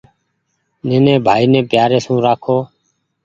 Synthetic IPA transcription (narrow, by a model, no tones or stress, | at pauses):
neːnɛ̃ːbʱaːiːnɛ̃ːpɪjaːɾeːsũːɾaːkʰoː